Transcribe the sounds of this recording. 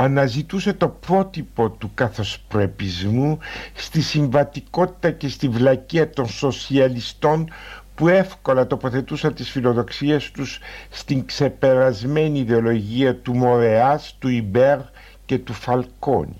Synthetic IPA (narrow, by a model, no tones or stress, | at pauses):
ɐnɐzit̪use̞t̪o̞pɾo̞t̪ipo̞t̪ukɐθo̞spɾe̞pizmust̪isiɱvɐt̪iko̞t̪i̥t̪ɐce̞st̪iɱvlɐciɐt̪o̞nso̞siɐlist̪o̞npue̞fko̞lɐt̪o̞po̞θe̞t̪usɐnt̪isfilo̞ðo̞ksie̞st̪usːt̪iŋkse̞pe̞ɾɐzme̞niːðe̞o̞lo̞ʝiɐt̪umo̞ɾe̞ɐst̪uibe̞ɾ | ce̞t̪ufɐlko̞̰ni